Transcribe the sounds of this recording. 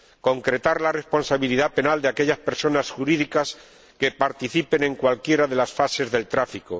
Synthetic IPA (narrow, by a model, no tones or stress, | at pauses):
ko̞ŋkɾe̞t̪aɾlare̞spo̞nsaβiliðape̞nald̪eake̞ʎaspe̞ɾso̞nasxuɾiðikas | ke̞paɾt̪iθipe̞ne̞ŋkwalkje̞ɾaðe̞lasfase̞zðe̞lt̪ɾafiko